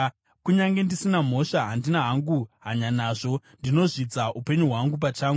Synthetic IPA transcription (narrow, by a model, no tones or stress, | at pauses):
kuɲaŋɡe̞ndisinam̤o̞ʃaɦandinaɦaŋɡuɦaɲanaːʐo̞ | ndino̞ʐid͡zaʔupe̞ɲuɦwaŋɡup̬at͡ʃaːŋɡu